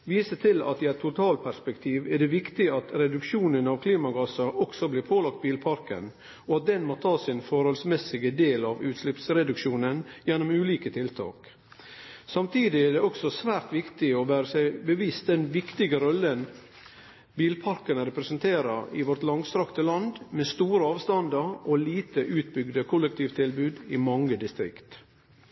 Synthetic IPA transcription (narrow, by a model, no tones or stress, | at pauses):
ʋiːsət̪ʰɪlɑ̰t̪ɪæɪt̪ʰːʊt̪ʰɑːl̚pʰæɾʂspɛkt̪ʰiːʋæɖɛʋɪkt̪ɪɑt̪ɾɛd̪ʉkʃuːnənɑʋkʰliːmɑɡɑsɑʔɔksɔbliːɾpʰoːlɑkt̪̚biːlpʰɑɾkə̰n | ɔɑt̪̚d̪ɛnmoːt̪ʰɑːsɪnfɔɾhɔlsmɛsɪɡəd̪eːlɑʋʉːt̪slɪpsɾɛd̪ʉkʃuːnənjɛnːʊmʉːliːkət̪ʰɪlt̪ʰɑ̰ːk | sɑmt̪ʰiːd̪ɪæɖ̪ɛɔksɔsʋæːɾt̪ʋɪkt̪ɪɔʋæːɾəsæɪbəʋiːst̪̚d̪ɛnʋɪkt̪ɪɡəɾɔlːən | biːlpʰɑɾkənəɾɛpɾɛsənt̪ʰeːɾɑɪʋɔɾt̪lɑŋst̪ɾɑkt̪əlɑnd̪mest̪uːɾəɑːʋst̪ɑnd̪əɾʔɔliːt̪əʔʉːt̪̚bʏɡd̪əkʰʊlːək̚t̪ʰiːʋt̪ʰɪlbʉːd̪ɪmɑŋːəd̪ɪst̪ɾɪ̰kt̪